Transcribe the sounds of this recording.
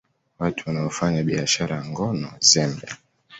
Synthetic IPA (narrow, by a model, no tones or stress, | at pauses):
watʰuwanaɔfaɲaɓiaʃaɾajaŋɡɔnɔzɛmbɛ